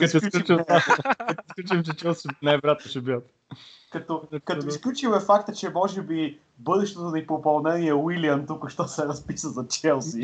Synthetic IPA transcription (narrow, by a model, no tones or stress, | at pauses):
ɐsɛlt͡ʃ | kɐt̪ɛsklʲut͡ʃmt͡ʃɛt͡ʃɛlˠsɛnajbɾat̪̚noʃɛbiət̪ | kɐt̪ɔkɐt̪sklʲut͡ʃimɛfakt̪ət͡ʃɛmɔʒɛbi | bɤd̪ɛʃt̪ɛt̪onɐipɾopɐlˠnɛniɛwiliənt̪ukʊʃt̪ɔsɛɾɐspisəzɐt͡ʃɛlˠsi